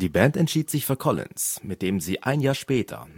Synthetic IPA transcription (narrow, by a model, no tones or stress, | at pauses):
d̥iːbɛntɛntʃiːtz̥ɪçfːɐkʰɔlɪ̰nsmɪt̚d̥eːmziːʔa̰ɪnjaːɐʃpɛːtʰɐ̰